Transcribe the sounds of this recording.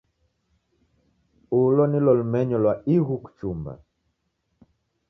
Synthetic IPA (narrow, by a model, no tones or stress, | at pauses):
ulɔnilɔlumɛɲɔlwaiɣuku̥t͡ʃumba̰